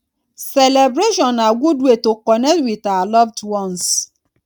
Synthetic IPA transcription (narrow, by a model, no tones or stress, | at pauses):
selebɾeʃɔ̃naɡʷudwetokɔnewitalɔvdwɔns